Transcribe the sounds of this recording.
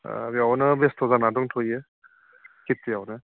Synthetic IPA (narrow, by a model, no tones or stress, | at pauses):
bjawnɯbestʰɔzanadɔŋtʰoje | kit̚ːijawnɯ